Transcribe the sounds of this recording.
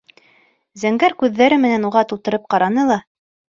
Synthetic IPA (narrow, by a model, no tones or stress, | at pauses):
zæŋɡæɾkʉðːæɾɘmɘ̆nænuʁɑt̪ulˠt̪ɤ̆ɾɤp̚qɑɾɑnɤlˠɑ